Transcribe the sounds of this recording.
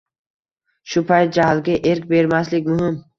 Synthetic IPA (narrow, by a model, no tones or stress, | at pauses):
ʃʊpʰajt̪̚d͡ʒaɦlˠɡʲaʔeɾkʲbe̞ɾmaslɪkʲmʊɦɪm